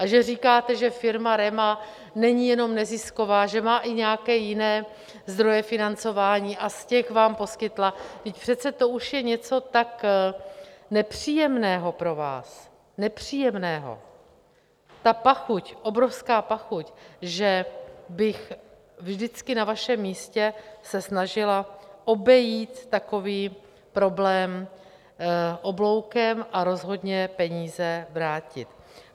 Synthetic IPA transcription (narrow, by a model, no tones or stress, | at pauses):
ʔaʒɛriːkaːt̪ɛʒɛfɪɾmaɾɛma | nɛɲɪjɛno̞mnɛzɪsko̞vaːʒɛmaːʔɪɲɛjakɛːjɪnɛː | zd̪ɾo̞jɛfɪnant͡so̞vaːɲiːʔascɛxvaːmpo̞skɪt̪lavɪcpr̝̥ɛt̪t͡sɛt̪o̞ʔuʃjɛɲɛt͡so̞t̪ak | nɛpr̝̥iːjɛmnɛːɦo̞pɾo̞va̰ːs | nɛpr̥iːjɛmnɛːɦo̞̰ | t̪apaxucʔo̞bɾo̞fskaːpaxucʒɛbɪx | vʒdɪt͡skɪnavaʃɛmːiːscɛsɛsnaʒɪlaʔo̞bɛjiːt̪ːako̞viː | pɾo̞blɛːm | ʔo̞blo̞wkɛmʔaɾo̞zɦo̞dɲɛpɛɲiːzɛvɾaːcɪt̪